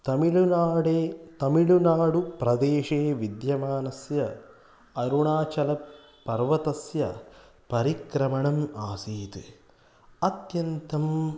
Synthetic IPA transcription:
t̪ɐmilunaːɖeːt̪ɐmiɭunaːɽupɾɐd̪eːʂeːʋid̪jɐmaːnɐsjɐ | ɐɾuɳaːt͡ʃɐlɐpː | ɐɾʋɐt̪ɐsjɐ̰ | pɐɾikɾɐmɐɳɐmaːsiːt̪ɨ | ɐt̪jɐnt̪ɐm

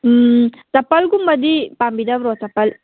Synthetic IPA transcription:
t̪ɐpːɐlɡumbɐd̪ipambid̪aʋɾot̪ɐpːɐl

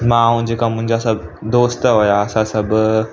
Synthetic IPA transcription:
mãɦũd͡ʑeːkamʊ̃ɦɪ̃ɲd͡ʑasɐbd̪oːst̪ɦojaəsãsɐb

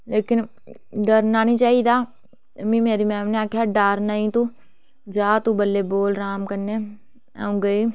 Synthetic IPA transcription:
leːkɪn | ɖəɾnaːnĩːt͡ʃaːiːd̪aː | mĩːmeːɾiːmɛːmneaːkʰjaːɖaːɾnaːĩːt̪ũː | d͡ʒaːt̪ũːbəlːeːboːlɾaːmkəɾneː | a̰ːũːɡəiː

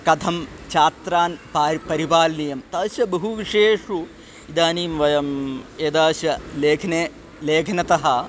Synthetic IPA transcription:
kɐt̪ʰɐmt͡ʃaːt̪ɾaːnpaːɾpɐɾibaːlnijɐmt̪ɐːʃɐbɐɦuʋiʂeːʂu | id̪aːniːmʋɐjɐmeːd̪aːʃɐleːkʰne | leːkʰɐnɐt̪ɐɦɐ

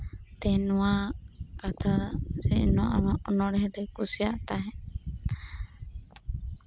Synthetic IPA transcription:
t̪ɛnuakat̪ʰasɛnuaʔamaʔɔnɔɽɛɦɛd̪ɛkusiaʔt̪aɦɛ̃

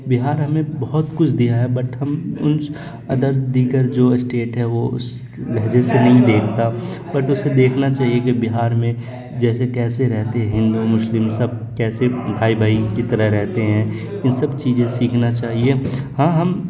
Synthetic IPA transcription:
bɪɦaːɾɦɐmẽbɐɦʊt̪kʊt͡ʃʰd̪ijaɦɛbɐʈɦɐmʊnt͡ʃ | ɐd̪əɾd̪iːɡəɾd͡ʒoːsʈeːʈɦɛʋoʊ̰s | lɛɦd͡ʒesenɐɦĩd̪eːkʰt̪a | bɐʈʊsed̪eːkʰnat͡ʃaːɦiekebɪɦaːɾmẽ | d͡ʒɛːsekɛːseɾɛɦt̪eɦɛ̃ɦɪ̃nd̪umʊʃlɪmsɐb̚kɛːsebʱaːibʱaːikit̪ɐɾəɦɾɛɦt̪eɦɛ̃ː | ɪ̃nsɐbt͡ʃiːd͡ʒẽsiːkʰnat͡ʃaːɦiehãːɦɐm

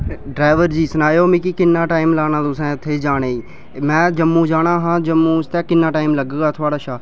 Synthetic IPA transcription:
ɖɾaːʋəɾd͡ʒiːsənaːjoːmĩːkikɪnːaːʈaːɪmlaːñãːt̪ʊsɛ̃ːt̪ʰeːd͡ʒaːɽ̃eːiː | mɛ̃ːd͡ʒəmːũːd͡ʒaːɽ̃aːɦãːd͡ʒəmːũːst̪ɛːkɪnːaːʈaːɪmləɡɡaːt̪ʰoaːɽaːʃaː

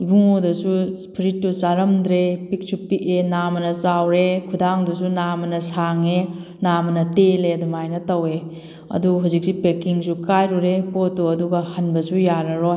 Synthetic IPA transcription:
ibuŋodɐsuspʰiɾitːusaɾɐmd̪ɾepik̚supikenamɐnɐsawɾekʰudaŋdusunamɐnɐsaŋe | namɐnɐteleɐdumajnɐtɐwe | ɐ̰duɦuzik̚sipekiŋsukajɾuɾepotːuɐduɡɐhɐnbɐsujaɾɐɾoj

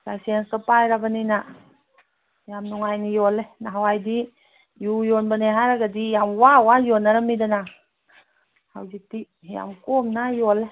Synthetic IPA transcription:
lajsienskapajɾabanina | jamnɔŋajnijɔlenaɦawajdi | jujonbaneɦaɾaɡadijamwawajɔnːaɾamidana | ha̰wzik̚ti | ja̰mkɔmnajɔle

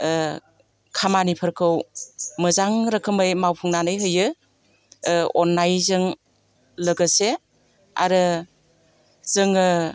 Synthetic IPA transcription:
kʰamanipʰəɾkʰɯwmɯzaŋɾɯkʰɯmɯjmawpʰuŋnanɯjɦɯjɯ | ɔnːajzɯŋ | ləɡɯse | a̰ɾɯ | z̥ɯŋɯ

